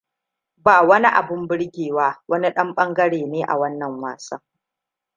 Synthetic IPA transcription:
baː˨wɐ˦ni˦ʔa̰˨bɪ˦mbɪ˦ɽɡʲeː˨waː˦wɐ˦ni˦ɗɐ˦mɓɐ˦ŋɡɐ˦ɽeː˨neː˦ʔa̰˨wɐ˦nːɐ˨ŋwa̰ː˨sɐ̰˦

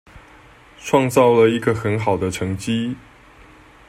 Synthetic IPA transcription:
ʈ͡ʂʰwɑ˥˧ŋt͡sɑ˥˩ʊlə˨˩i˧˥ɡə˧xə˧˥nxɑ˨˩ʊd̪ə˦ʈ͡ʂʰɤ˧˥ŋt͡ɕi˥

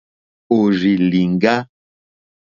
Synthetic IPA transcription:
o˨ri˨li˨ŋ˦ɡa˦

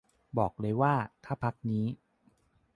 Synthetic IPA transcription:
bɔː˨˩k̚lɤː˧jwaː˥˩t̪ʰaː˥˩pʰa˦˥k̚niː˦˥

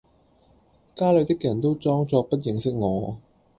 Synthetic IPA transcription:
kaː˥lɵ˨˧ɥt̪ɪ˥k̚jɐ˨˩nt̪o˥wt͡sɔː˥ŋt͡sɔː˧pɐ˥t̚jɪ˨˧ŋsɪ˥k̚ŋɔː˨˧

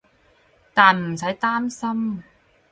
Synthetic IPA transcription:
t̪aː˨nm̩˨˩sɐ˨˥jt̪aː˥msɐ˥m

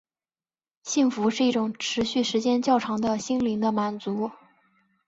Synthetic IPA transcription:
ɕi˥˩ŋfu˧˥ʂɻ̩˥˧i˥˩ʈ͡ʂʊ˨˩ŋʈ͡ʂʰɻ̩˧˥ɕy˥˩ʂɻ̩˧˥t͡ɕjɛ˥nt͡ɕjɑ˥˩ʊʈ͡ʂʰɑ˧˥ŋd̪ə˧ɕi˥nli˧˥ŋd̪ə˧ma˨˩nt͡su˧˥

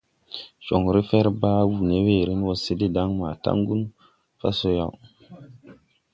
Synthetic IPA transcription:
ʃo˨ŋɾi˦fe˦ɾba˦wu˨ne˦we˦˨ɾi˦n˦wo˨se˦de˦da˦ŋma˨ta̰˦ŋɡu˦n | fa̰˦so˦ja˦˨w

